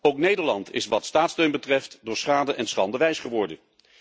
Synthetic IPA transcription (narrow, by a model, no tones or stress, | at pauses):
owknejdəɹlɑntʰɪ̰sʋɑtstaːtstøɥnbətrɛftdʊːɹsχaːdəʔɛnsχɑ̰ndəʋɛjsχəʋɔɹdən